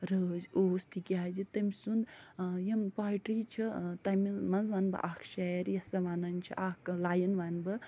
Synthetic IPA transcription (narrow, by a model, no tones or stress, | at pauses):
ɾəːzʲoːst̪ʰikʲazit̪ɐmʲsund̪jɐmpaːʈɾit͡ʃʰit̪ɐmimɐnzʋaːnbɨ̰ʔaːkʰʃeːɾjɐsɐʋaːnɐnt͡ʃʰḭʔaklaːjɐnʋaːnbɨ